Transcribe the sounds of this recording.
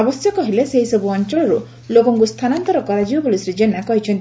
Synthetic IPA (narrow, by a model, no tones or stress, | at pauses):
ɔbɔsjɔkɔɦileseɦisɔbuɔnt͡ʃɔɭɔɾu | lokɔŋkust̪ʰanant̪ɔɾɔkɔɾad͡ʒibɔpulisɾed͡ʒenakɔɦit͡ʃʰɔnt̪